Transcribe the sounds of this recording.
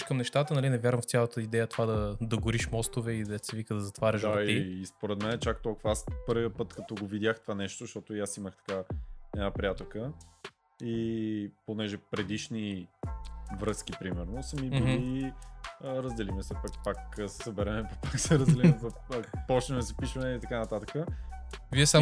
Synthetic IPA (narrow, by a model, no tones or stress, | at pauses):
kəmnɛʃt̪at̪ənɐlinɛvjaɾvɐ̃mɱft̪ʲjalˠət̪əid̪ɛjət̪ovad̪ɐd̪ɐɡʊɾiʃmɔst̪ovɛid̪ɛt̪sɛvikəd̪ɐzɐt̪vaɾʲjəʃaiːspoɾɛd̪mɛnɛt͡ʃak̚t̪ɔlˠkʊvɐaspɤɾviəpɤt̪kɐt̪ɔɡovid̪ʲaxt̪ovanɛʃt̪oʃt̪ɔt̪ojasiməxt̪ɐ̥kaɛd̪apɾʲijat̪okə | iponɛʒɛpɾɛd̪iʃni | vɾɤskipɾimɛɾnosəmibuli | əɾəzd̪ɛlimɛsɛpakpakːsɛ̥sɐbɛɾɛmɛppaksɛɾɐzd̪ɛlimmɛzɐ | pɔt͡ʃnɛmɛsɛpiʃvɐnɛit̪ɐkanɐt̪at̪əkə | viɛsa